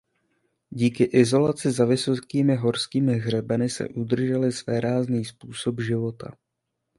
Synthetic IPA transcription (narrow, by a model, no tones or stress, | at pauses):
ɟiːkɪʔɪzo̞lat͡sɪzavɪsokiːmɪɦo̞ɾskiːmɪɣr̝ɛbɛnɪsɛ̰ʔud̪r̩ʒɛlɪsvɛːɾaːzniːspuːso̞bʒɪvo̞t̪ʰa̰